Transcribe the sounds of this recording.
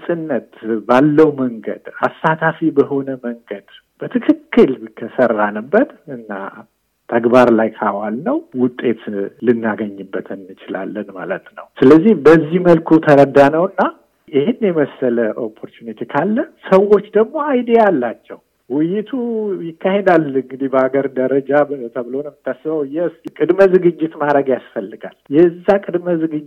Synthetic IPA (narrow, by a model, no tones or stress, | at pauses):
sʼɨnːət̪balːəwməŋɡə̰d̪a̰sːat̪ʰafibəho̞nəməŋɡəd̪ | b̥ət̪ʰɨkʰɨkːɨlkʰəsərːanɨbːət̪ɨnːa̰ | t̪ʰəɡbaɾlajkʰawalnəwwʊt̪ʼːe̞t̪lɨnːaɡəɲːɨbːət̪ʰɨnːɨt͡ʃɪla̰lːənma̰lət̪nə̰wsɨləzːihbəzːihməlkʰut̪ʰəɾəd̪anəwɨnːa | jɪhɪnːjɛməsːələʔo̞pʰːo̞ɾt͡ʃunit̪ʰekʰalːəsəwo̞t͡ʃːd̪əɡmo̞ajd̪ialːat͡ʃːɛw | wɪjɪt̪ʰujɪkʰːahe̞d̪alɨŋɡɨd̪ibəaɡəɾd̪əɾəd͡ʒabət̪ʰəbɨlonəmɨt̪ʰːasːɨbəwjɛskʼɨd̪məzɨɡɨd͡ʒːɪt̪maɾəɡjasfəlːɨɡa̰ljɛɨzːakʼɨd̪məzɨɡɨd͡ʒ